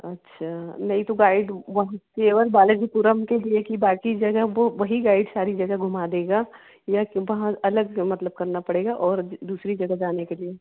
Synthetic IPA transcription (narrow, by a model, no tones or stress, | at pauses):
ɐtːʃʰaːnɐɦĩt̪oɡaːɪɖʋɐɦãseːʋəlbaːled͡ʒipuɾəmkeliekibaːkid͡ʒɐɡəɦʋoʋɐɦiɡaːɪɖsaːɾid͡ʒɐɡəɡʱʊmaːd̪eːɡaː | jakʋɐɦãɐləɡmɐt̪ləb̚kɐɾnapɐɽeːɡaʔɔːɾd̪uːsɾid͡ʒɐɡəɦd͡ʒaːnekelie